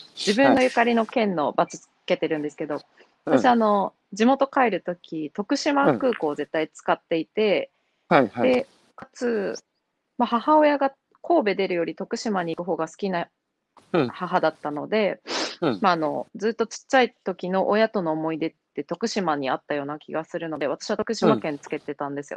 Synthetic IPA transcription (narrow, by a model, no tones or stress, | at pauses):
d͡ʑibɯ̃nːo̞jɯ̟kaɾʲino̞kẽ̞nːo̞bat͡ɕi̥t͡sɨ̥ke̞t̪e̞ɾɯ̟̃nd̪esɨ̥ke̞d̪o̞ | βat̪asɕiano̞ | d͡ʑimo̞t̪o̞kaeɾɯ̟t̪o̞kʲit̪o̞kɯ̟ɕimakɯ̟ːko̞ːze̞t̪ːait͡sɨ̥kat̪ːe̞it̪e̞ | d̪e̞ | kat͡sɨ | mahahao̞jaɡa | kʰo̞ːbe̞d̪e̞ɾɯ̟jo̞ɾʲit̪o̞kɯ̟ɕimaɲ̟iːkɯ̟ɦo̞ːɡasɨ̥kʲina | haɦad̪at̪ːano̞d̪e̞ | maːno̞d͡zɨːt̪ːo̞t͡ɕi̥t͡ɕːait̪o̞kʲino̞ʔojat̪o̞no̞ːmo̞id̪e̞t̪ːe̞t̪o̞kɯ̟ɕimaɲ̟iat̪ːajo̞ːnakʲiɡasɨɾɯ̟no̞d̪e̞βat̪ḁɕiβat̪okɯ̟ɕimakẽ̞nt͡sɨ̥ke̞t̪e̞t̪ãnd̪e̞sɨjo̞̰